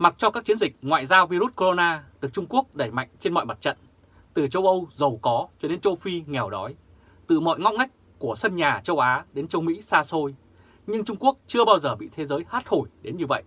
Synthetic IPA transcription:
ma˨˩t̚t͡ɕɔ˧kaː˦˥k̚t͡ɕi˨˦ənzï˨˩k̟̚ŋwa̰ː˧˨jzaː˧wvi˧ɾu˦˥t̚ko˧zo˧naː˧ɗɨ˨˩ək̚t͡ɕʊ˧ŋ͡mku˦˥ək̚ɗə˧˩jma̰˧˨jŋ̟t͡ɕe˧nmɔ̰˧˨jma˨˩t̚t͡ɕə̰˧˨n | t̪ɨ˨˩t͡ɕə˧wʔə˧wzə˨˩wkɔ˨˦t͡ɕɔ˧ɗe˨˧˦nt͡ɕə˧wfi˧ŋɛ˨˩wɗɔ˨˦j | t̪ɨ̰˧˩mɔ̰˧˨jŋa˦˥k͡p̚ŋa˦˥jk̟̚ | ku˧˩əsə˧nɲaː˨˩t͡ɕə˧wʔaː˨˦ɗe˨˦nt͡ɕə˧wmḭ˧˥saː˧so˧j | ɲɨ˧ŋt͡ɕʊ˧ŋ͡mku˦˥ək̚t͡ɕɨ˧əɓaː˧wzəː˨˩ɓḭ˧˨t̪ʰe˨˦zəː˨˦jhaː˦˥t̚ho˧˩jɗe˨˦nɲɨ˧və̰˧˨jʔ

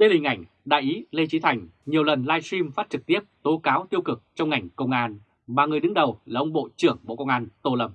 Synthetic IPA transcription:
ɗe˧hï˨˩ŋ̟ʔa̰˧˩jŋ̟ | ɗa̰ː˧˨jʔi˨˦le˧t͡ɕi˨˦t̪ʰa˨˩jŋ̟ɲi˨˩əwlə˨˩nlaː˧jswi˧mfa˦˥t̚t͡ɕɨ˨˩k̚t̪i˦˥əp̚t̪o˨˦kaː˨˦wt̪i˧əwkɨ˨˩k̚t͡ɕɔ˧wŋ͡mŋa˨˩jŋ̟kə˧wŋ͡mʔaː˧n | maː˨˩ŋɨ˨˩əjɗɨ˨˦ŋɗə˨˩wlaː˨˩ʔə˧wŋ͡mɓo̰˧˨t͡ɕɨ˧˩əŋɓo̰˧˨kə˧wŋ͡mʔaː˧nt̪o˧lə˧˩m̚

